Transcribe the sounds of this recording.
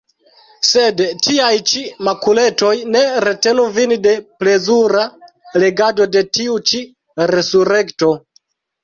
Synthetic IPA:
se̞dtiajt͡ʃimakule̞to̞jne̞ɾe̞te̞nuvinde̞ple̞zuɾa | le̞ɡado̞de̞tiut͡ʃi | ɾe̞suɾe̞kto̞

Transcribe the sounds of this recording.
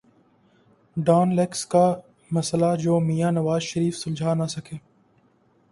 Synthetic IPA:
ɖaːnlekska | mɐslad͡ʒoːmijaːnɐʋaːzʃəɾiːfsʊnd͡ʒʱaːnasɐkʰeː

